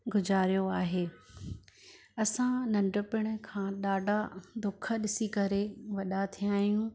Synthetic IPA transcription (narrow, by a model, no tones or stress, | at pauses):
ɡʊzaːɾijoaːɦeː | ɐsãnɐ̃ɳɖəpɪɽ̃ʊ̆kʰãːɗaːɖʱad̪ʊkʰə̆ɗɪsikɐɾeʋɐɗat̪ʰijaːɦijũ